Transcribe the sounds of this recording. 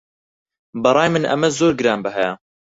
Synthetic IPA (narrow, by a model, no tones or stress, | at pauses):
bɐɾˤɑːjmɨnʔɐ̰mɐzoːɾɡɨɾɑːnbɐɦɛjɛ